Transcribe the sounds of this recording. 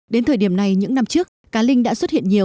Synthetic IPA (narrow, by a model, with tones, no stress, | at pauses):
ɗe˨˦nt̪ʰəː˨˩jɗi˧˩əmna˨˩jɲɨ̰˧˥ŋna˧mt͡ɕɨ˦˥ək̚ːaː˨˦lï˧ŋɗa̰ː˧˥swə˦˥t̚hḭ˧˨ənɲi˨˩əw